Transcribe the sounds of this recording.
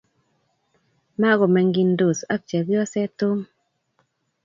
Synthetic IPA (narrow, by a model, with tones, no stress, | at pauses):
ma˦ɡɔ˨mɛ˨ŋɡi˦ndo˨sa˦k̚t͡ʃɛ˨ɡɪ˦ɔ˦sɛ˦tʊ˦m